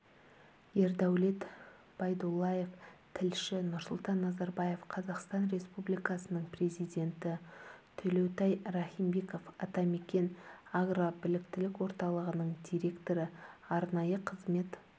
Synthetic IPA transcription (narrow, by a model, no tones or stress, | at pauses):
je̞ɾd̪æwle̞t̪ | b̥ɑjd̪ulˠːɑje̞ft̪ʰɪlʃɪnʊɾsʊlˠt̪ɑnːɑzɑɾbɑje̞fqʰɑzɑqst̪ɑnre̞spublijkɑsənəɴpre̞zijd̪ʲe̞nt̪ɪt̪ʰɵlewt̪ɑjrɑχijmbe̞ko̞fɑt̪ɑme̞kʲe̞naɡrabɪlɪkt̪ɪlɪkʲwo̞ɾt̪ɑlˠəʁənəɴd̪ʲijɾʲe̞kt̪o̞ɾəɑɾnɑjəqʰəzme̞t̪